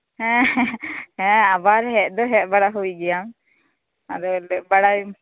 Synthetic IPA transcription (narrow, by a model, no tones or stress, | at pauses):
hɛ̃ | hɛ̃abaɾɦɛʔ̚d̪ɔɦɛʔ̚baɽaɦuɡɛjam | a̰d̪ɔlɛbaɽa